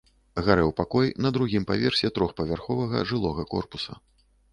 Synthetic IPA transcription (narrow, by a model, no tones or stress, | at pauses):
ɣaɾɛwpakɔjnɐd̪ɾuɣʲimpavʲɛrsʲɛt̪ɾɔxpɐvʲarxɔvɐɣɐ̰ʐɨlˠɔɣɐkɔ̰rpusɐ̰